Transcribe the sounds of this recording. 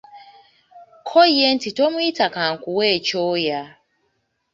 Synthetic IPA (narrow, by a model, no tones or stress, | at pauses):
kʰɔien̩titomʊitakaŋ̩kʷʊweet͡ʃoja